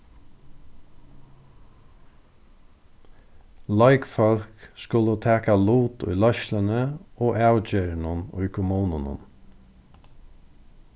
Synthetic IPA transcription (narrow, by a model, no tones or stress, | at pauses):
lɑɪkfɔlkskʊlət̪ʰɛːkaluːt̪ʊ̰jlœʃlənəoːʔæwt͡ɕeːɾɳʊnʊ̰jkʰʊmuːnʊnʊ̰n